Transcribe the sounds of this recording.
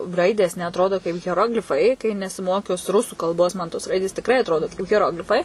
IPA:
ˈrɐɪdʲeːs nʲɛɐtˈroːdoː kɐɪp ɣʲɛˈroːɡlʲɪfɐɪ kɐɪ nʲɛsʲɪˈmoːkʊs ˈrʊsuː kɐlˠˈboːs ˈmɐn toːs ˈrɐɪdʲeːs tʲɪkˈrɐɪ ɐtˈroːdoː kɐɪp ɣʲɛˈroːɡlʲɪfɐɪ

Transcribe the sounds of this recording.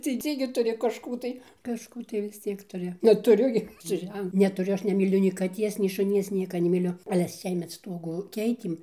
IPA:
tʲɛɪˈsʲiːŋɡɐɪ tʊˈrʲɪ kɐʃˈkuː tɐɪ kɐʃˈkuː tɐɪ ʋʲɪs ˈt͡sʲiɛk tʊˈrʲɪ nʲɛtʊˈrʲʊ ɡʲɪ sʊ ˈʒʲɛn nʲɛtʊˈrʲʊ ˈɐʃ nʲɛmʲiːˈlʲʊ nʲɛɪ kɐˈtʲiɛs nʲɛɪ ʃʊˈnʲiɛs ˈnʲiɛkɐ nʲɛmʲɪˈlʲʊ ɐlʲɛ ˈsʲiɛmʲɛt ˈstuɔɡʊ ˈkʲɛɪtʲeːm

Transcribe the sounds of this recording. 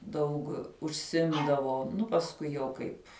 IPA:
dɐʊk ʊʃʲˈsʲɪmdɐʋoː ˈnʊ pɐsˈkʊɪ jɛʊ kɐɪp

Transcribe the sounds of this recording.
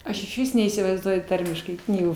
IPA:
ˈɐʃ ɪʃʲˈʋʲɪs nʲɛiːsʲɪʋɐɪzˈduɔjʊ ˈtɐrʲmʲɪʃkɐɪ ˈknʲiːɡuː

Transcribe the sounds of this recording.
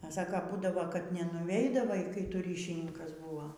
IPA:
ɐ ˈsɑːkoː ˈbuːdɐʋoː kɐt nʲɛnʊˈʋʲɛɪdɐʋɐɪ kɐɪ ˈtʊ ˈrʲiːʃʲɪnʲɪŋkɐs ˈbʊʋoː

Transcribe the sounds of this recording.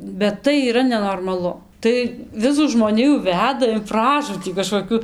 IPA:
bʲɛt ˈtɐɪ iːˈrɐ nʲɛnoːrmɐˈlˠʊ tɐɪ ˈʋʲɪsuː ʒmoːˈnʲɪjuː ˈʋʲæːdɐ ɪn ˈprɑːʒuːtʲiː kɐʃkoːˈkʲʊ

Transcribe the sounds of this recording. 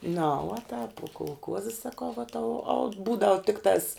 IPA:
nɐ uɔ tɑːp uɔ koːlˠˈkuɔzʲɪ sɐˈkɐʊ ʋɐ tɐʊ ɐʊt ˈbuːdɐʋʊ ˈtʲɪktɑːs

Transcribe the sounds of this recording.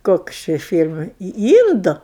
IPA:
ˈkoːks ˈt͡ʃʲɪ ˈfʲiːlʲmɐɪ iː ˈiːndʊ

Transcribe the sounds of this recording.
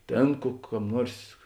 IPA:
ˈtʲeːn kʊ ˈkɐm ˈnuɔrs

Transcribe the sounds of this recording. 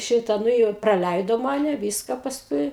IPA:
ˈʃʲɪtɐ ˈnʊ jɛʊ ɪ prɐˈlʲæɪdoː ˈmɑːnʲɛ ˈʋʲiːskɐ pɐsˈkʊɪ

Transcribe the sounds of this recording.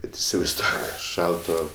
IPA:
ˈbʲɛt ɪsʲɪʋɐɪzˈduɔk ˈʃɐlˠtoː

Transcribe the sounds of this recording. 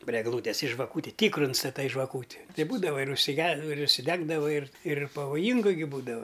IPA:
pʲrʲɪ ɛɡˈlˠuːtʲɛs ɪ ʒʋɐˈkuːtʲɪ ˈtʲiːkrʊ ɪnstɐˈtɐɪ ʒʋɐˈkuːtʲɪ ˈtɐɪ ˈbuːdɐʋɐ ɪr ʊʃʲsʲɪˈɡʲɛ ɪr ʊʃʲsʲɪˈdʲæːɡdɐʋɐ ɪr ɪr pɐʋoːˈjiːŋɡʊ ɡʲɪ ˈbuːdɐʋɐ

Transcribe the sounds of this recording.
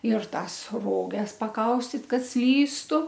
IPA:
ɪr ˈtɑːs ˈroːɡʲɛs pɐˈkɐʊsʲtʲɪt ˈkɐt ˈsʲlʲiːstʊ

